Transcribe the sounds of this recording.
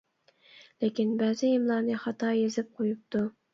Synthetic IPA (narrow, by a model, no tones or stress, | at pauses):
lekʲɪnbæzɪɪmlˠɑnɪχɑt̪ʰɑːjezɪp̚qʰojʊp̚t̪ʊ